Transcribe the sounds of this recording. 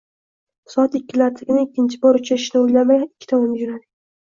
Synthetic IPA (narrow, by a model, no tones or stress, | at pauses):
sɒat̪ɪkʲːɪlaɾt̪ʰɪɡʲɪnaɪkʲːɪnt͡ʃʰɪbɒɾʊt͡ʃʰaɪʃnɪojlamaɡʲanɪkʲːɪ̥t̪ʰɒmɒmd͡ʒʊnad̪ɪ